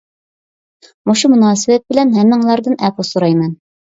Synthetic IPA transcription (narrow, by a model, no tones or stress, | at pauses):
moʃumunɑːsə̆βæt̪̚bɘ̆lænɦæmːæŋlˠɑɾd̪ɤnʔæposuɾɑjmæn